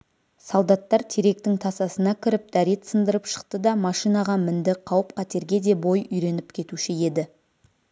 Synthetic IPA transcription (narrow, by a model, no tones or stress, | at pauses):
sɑlˠd̪ɑt̪ːɑɾt̪ʰeɾe̞k̚t̪ɪŋt̪ʰɑsɑsənɑkʲʰɪɾɪp̚d̪̥æɾet̪sənd̪əɾəpʃə̥qt̪əd̪ɑmɑʃijnɑʁɑmɪnd̪ɪqʰɑwəp̚qʰɑt̪e̞ɾɡʲe̞d̪e̞bo̞jʏjɾe̞nɪpkʲʰe̞t̪uʃɪe̞d̪ɪ